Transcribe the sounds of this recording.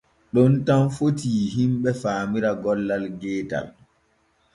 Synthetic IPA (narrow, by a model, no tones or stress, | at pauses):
ɗɔntamfotiːɦimɓɛfaːmiɾaɡɔlːalɡɛːta̰l